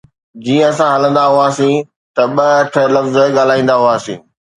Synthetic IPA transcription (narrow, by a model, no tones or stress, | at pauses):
d͡ʑiːə̃ɐsãɦɐlə̃nd̪aɦʊaːsĩ | t̪ɐɓɐʈʰelɐfz̆ɠaːl̤aːĩːnd̪aɦʊaːsḭ̃ː